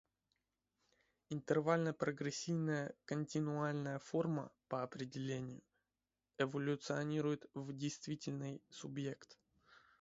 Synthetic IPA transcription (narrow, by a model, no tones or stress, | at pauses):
ɪnt̪ɨrvalʲnəpɾəɡɾʲɪsʲːivnəjəkənʲtʲɪnʊalʲnəjəfo̞rmə̰pəɐpɾʲɪdʲɪlʲenʲɪjʊ | ɛvəlʲʊt̪sɨɐnʲiɾʊjɪt̪vdʲɪjst̪vʲitʲɪlʲnɨjsʊbje̞kt̪